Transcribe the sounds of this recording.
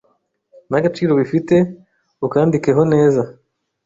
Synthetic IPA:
naɡat͡ʃiːɾo̞βifite̞ | ukaːndike̞ɦo̞ne̞ːza

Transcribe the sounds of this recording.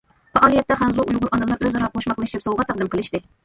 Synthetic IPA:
fɑʔɑːlˠijɛt̪ːɛχæmzoʔujʁʊɾʔɑnɨmlˠɑɾʔøzɑɾɑqʰoʃmɑqlˠɨʃt͡ʃʰɪpsɑlˠʁɑt̪ʰɑqd̪ɨmqəlˠɨʃt̪ɪ

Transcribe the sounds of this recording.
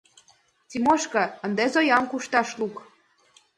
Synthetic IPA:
tʲimoʃkɤ̆ə̆nd̪ezojɑmkuʃt̪ɑʃluk

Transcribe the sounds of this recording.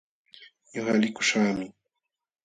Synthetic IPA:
ɲoχalɪkʊ̥ʃaːmɪ

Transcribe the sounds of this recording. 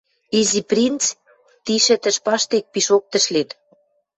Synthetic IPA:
iziprʲint͡s | t̪iʃɘ̆t̪ə̆ʃpɑʃt̪ek̚piʃok̚t̪ə̆ʃlet̪

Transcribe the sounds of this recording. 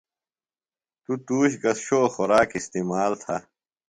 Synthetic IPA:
t̪ut̪uːɕɡɐsɕoːxɔɾaːkist̪iːmaːlt̪ʰa̰

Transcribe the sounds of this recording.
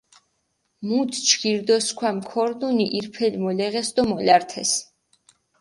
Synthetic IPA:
mut̪ʰt͡ʃʰkiɾd̪ɔskʰwamkʰɔɾd̪uniʔiɾpʰɛlmɔlɛʁɛsd̪ɔmɔlaɾt̪ʰɛ̰s

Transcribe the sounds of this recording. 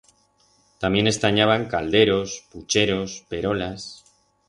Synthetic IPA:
t̪amje̞ne̞st̪aɲaβaŋkald̪e̞ɾo̞sput͡ʃe̞ɾo̞spe̞ɾo̞las

